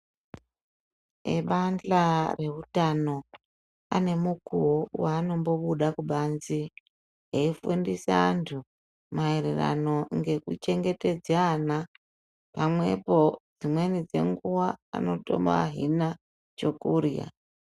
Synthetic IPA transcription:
eɓand͡ɮare̞ɦutano̞ | a̰ne̞mukuowaːno̞mbo̞ɓuɗakuɓanzi | eifundisaːntʰu | maeɾera̰no̞ŋɡe̞kut͡ʃe̞ŋɡe̞te̞d͡zaːna | pamwe̞po̞d͡zimwe̞nid͡ze̞̰ŋɡuwaa̰no̞to̞̰ma̰ːɦina | t͡ʃo̞kurja̰

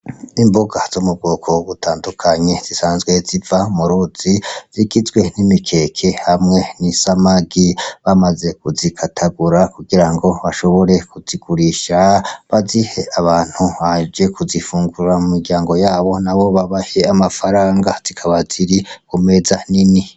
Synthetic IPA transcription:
imboɡaz̥omub̚ɡoːkʰo̞ɡutʰaːndukʰaɲe̞z̥isaːnzɡwe̞zivamuɾuz̥iz̥iɡizɡwe̞nimikʰe̞kʰe̞hamŋe̞nisamaɡiβamaze̞kuzikʰatʰaɡuɾakuɡiɾaŋɡo̞βaʃo̞βo̞ɾe̞kuz̥iɡuɾiʃaβazihe̞aβaːn̥huβad͡ʒe̞kʰuzifuːŋɡuɾamumiɡjaːŋɡo̞jaːβo̞naβo̞βaβaheamafaɾaːŋɡaz̥ikʰaβaz̥iɾikume̞zanini

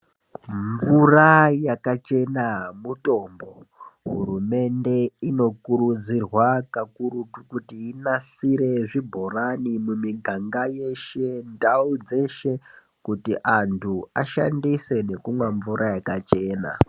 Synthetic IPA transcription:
ɱvurajakat͡ʃe̞namuto̞mbo̞ɦṵrume̞nde̞ino̞kuɾud͡zirwakakuɾutukutiinasiɾe̞ʐibʱo̞ranimumiɡʱaŋɡaje̞ʃe̞ndaud͡ze̞ʃe̞ | kutiʔantʰuaʃa̰ndise̞ne̞kumweɱvuɾajakat͡ʃe̞ːna̰

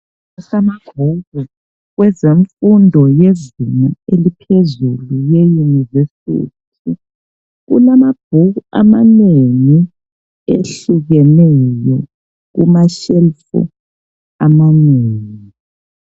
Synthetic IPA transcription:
asamab̥ʱuɣu | ɣwɛzeɱfundʱɔjezimaelipʰezulujejunivesḭtʰi | ɣṵlamab̥̚ʱuɣua̰maneŋi | eɬuɣɛnɛjɔ | ɣṵmaʃɛlfṵ | amaneːŋi

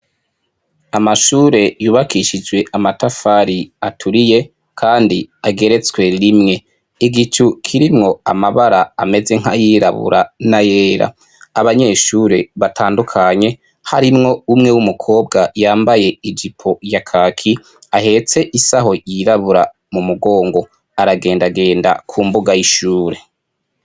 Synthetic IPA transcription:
amaʃuːɾe̞juːβakʰiʃid͡ʒwe̞ʔamatafaɾiatʰuɾije̞ | kʰaːndiaɡe̞ɾe̞t͡swe̞ɾimŋe̞ | iɡit͡ʃukʰiɾimŋo̞amaβaɾaːme̞ze̞ŋ̥hajiɾa̰βṵɾanaje̞ːɾa̰ | aβaɲe̞ʃuːɾe̞βatʰaːndukʰaɲe̞ | haɾimŋo̞umŋe̞wumukʰo̞ːbɡajaːmbaje̞id͡ʒipʰo̞jakʰakʰi | ahe̞t͡se̞ʔisaɦo̞jiɾaβuɾa | mumuɡo̞ːŋɡo̞ | aɾaɡe̞ːndaɡe̞ːnda̰kʰuːmbuɡajiʃuːɾe̞

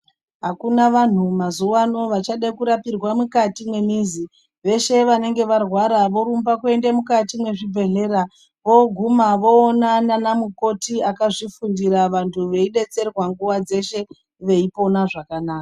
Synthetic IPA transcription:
ɦakunaʋan̤umazuwano̞ʋat͡ʃaɗekuɾapirwamukatimwe̞mizi | ʋe̞ʃe̞ʋane̞ŋɡe̞ʋarwaɾaʋo̞ɾumbakue̞ndemukatimwe̞ʐibʱe̞ɮe̞ɾa | ʋo̞ɡʱumaʋo̞ːnananamuko̞tiakaʐifundiɾaʋantʰuʋe̞iɗe̞t͡se̞rwaŋɡuʋad͡ze̞ʃe̞ | ʋe̞ipo̞naʐakanaːka

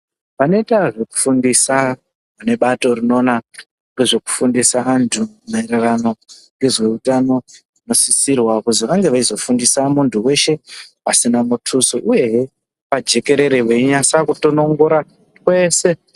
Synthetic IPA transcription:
pano̞itaʐe̞ku̥fundisa | ʋane̞ɓato̞rino̞ːna | ŋɡeʐe̞ku̥fundisaantʰumaeɾarano̞ŋɡe̞ʐwe̞utano̞ | ino̞sisirwakuziʋaŋɡe̞ʋaizo̞fundisamuntuwe̞ʃe̞pasinamutʰusoʔuje̞ | pad͡ʒe̞ke̞ɾe̞ɾeʋeiɲasakutono̞ŋɡoɾa | kwe̞ːse̞

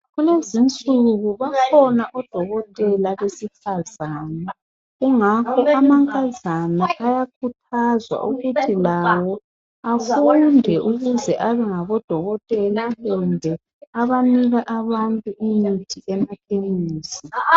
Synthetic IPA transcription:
ɣulezint͡sʼuɣuβakʰɔnaʔɔd̥ʱɔɣɔtʼɛlaβesifazaːnɛ | ɣuŋakʰɔamaŋkʼazanaʔajak̚ʰutʰazwa̰ʔuɣutʰilawɔ | afundʱɛʔuɣuzɛʔaβɛŋaβɔd̥ʱɔɣɔtʼɛlahɛndʱɛ | aβaniɣaʔaβantʼuʔimitʰiʔɛmapʰʼeŋiːsi

